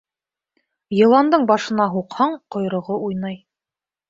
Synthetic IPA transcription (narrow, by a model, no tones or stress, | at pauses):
jɤ̆lˠɑnd̪ɤɴbɑʃɤ̆nɑɦuqhɑɴqŏjɾŏʁoʔujnɑj